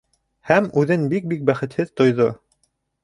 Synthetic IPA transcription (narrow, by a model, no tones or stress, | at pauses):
hæmʉðɘnbik̚bik̚bæχɘ̆t̪hɘðt̪ŏjðo